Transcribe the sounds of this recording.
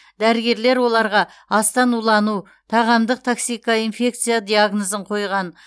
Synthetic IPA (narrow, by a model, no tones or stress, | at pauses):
d̪æɾɪɡʲe̞ɾle̞ɾwo̞lˠɑɾʁɑ | ɑst̪ɑnulˠɑnu | t̪ʰɑʁɑmd̪əq̚t̪ʰoksijkːainfe̞k̚t̪sɨjad̪ʲijaɡnozəɴqʰo̞jʁɑn